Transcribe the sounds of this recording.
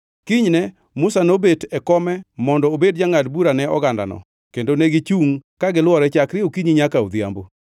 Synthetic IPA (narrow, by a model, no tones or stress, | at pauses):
kiɲnɛ | mʊsanobetɛkɔmɛmɔndɔobed̚d͡ʒaŋadbuɾanɛɔ̰ɡanda̰nɔ̰ | kendonɛɡɪt͡ʃuŋkaɡɪlwɔɾɛt͡ʃakɾɪokiɲiɲakaod̪ja̰mbo